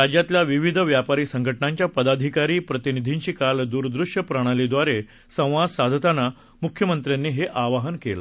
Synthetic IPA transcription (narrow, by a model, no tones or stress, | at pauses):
ɾad͡ʑjat̪ljaʋiʋid̪ʱʋjapaɾiːsəŋɡʱəʈnaɲt͡ɕjapəd̪ad̪ʱikaɾiːpɾət̪inid̪ʱiɲt͡ɕiːkald̪uɾd̪ɾuʂjəpɾəɽ̃alid̪ʋaɾe | sə̃w̃ʋasad̪ʱət̪ana | mukʰjəmənt̪ɾjanːiːɦeʔaʋaɦənkela